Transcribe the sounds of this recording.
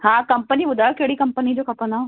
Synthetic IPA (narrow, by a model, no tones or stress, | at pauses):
ɦãːkɐmpənibʊd̪ʱaːjokeːɽikɐmpənid͡ʑoːkʰɐpəna